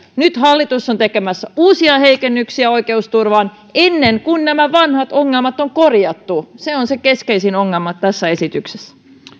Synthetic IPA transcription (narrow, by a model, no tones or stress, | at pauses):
nyt̪hɑlːit̪usːont̪ekemæsːæuːsiɑhe̞ikenːyksiæoike̞ust̪urʋɑːn | enːeŋkunnæmæʋɑnhɑt̪oŋːelmɑt̪oŋko̞rjɑt̪ːuseonsekeskeisinoŋːelmɑt̪æsːæe̞sit̪yksesː